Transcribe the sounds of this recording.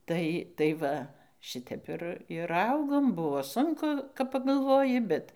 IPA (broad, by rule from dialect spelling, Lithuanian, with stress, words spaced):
ˈtɐɪ tɐɪ ˈʋɐ ˈʃɨtʲɛp ɪr ɪr ˈɐʊɡoːm ˈbʊʋoː ˈsʊŋkʊ kɐp pɐɡɐlˠˈʋoːjɪ ˈbʲɛt